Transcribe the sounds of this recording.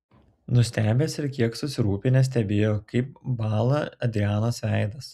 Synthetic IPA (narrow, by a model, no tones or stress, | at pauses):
nʊsʲt̪ʲæːbʲeːsɪɾkʲiɛksʊsʲɪɾuːpʲɪnʲɛs̬ʲt̪ʲɛbʲeːjoːkɐɪp̚bɑːlˠɐɐd̪ʲɾʲɪæːnosʋʲæˑɪd̪ɐs